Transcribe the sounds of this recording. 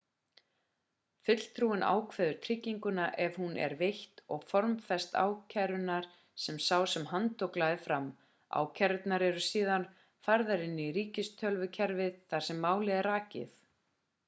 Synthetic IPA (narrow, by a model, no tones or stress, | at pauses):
fʏt̪l̥t̪ʰɾuːɪna̰ːwkʰvɛːðʏɾ̥t̪ʰɾɪcːiŋkʏnaʔɛvhunɛ̰ɾveht̪ɔɣfɔɾmfɛst̪a̰ːwcʰajɾʏnaɾ̥ | sɛmsaːwsɛmɦant̪ʰɔklaðɪfɾam | a̰ːwcʰɛɾt̪naɾɛɾʏsiːðan | faɾðaɾɪnːɪɾiːcɪst̪ʰœlvʏcʰɛɾvɪðθaɾ̥sɛmːaːwlɪðɛraːcɪ̰θ